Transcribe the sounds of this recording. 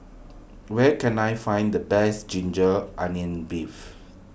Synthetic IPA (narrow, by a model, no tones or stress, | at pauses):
wɛkɛ̃najfãj̃ndəbɛsd͡ʒĩnd͡ʒəʔãniə̃nbif